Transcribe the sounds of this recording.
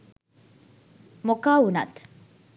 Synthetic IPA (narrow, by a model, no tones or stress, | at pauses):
mokaːunɐ̰t̪